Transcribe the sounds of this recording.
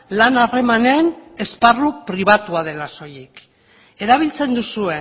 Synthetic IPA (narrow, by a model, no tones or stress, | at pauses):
lanare̞mane̞ne̞sparupɾiβ̞at̪uað̞e̞laso̞jik | e̞ɾaβ̞ilt͡se̞nd̪usue̞